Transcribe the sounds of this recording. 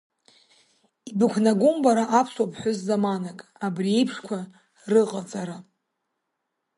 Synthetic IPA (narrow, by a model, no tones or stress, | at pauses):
ibɨkʷʰnaɡʷumbaɾaʔapʰswapʰʼħʷʊzzamanakʼabrie̞jpʰʂkʷʰa | rɨqʼat͡sʼaɾa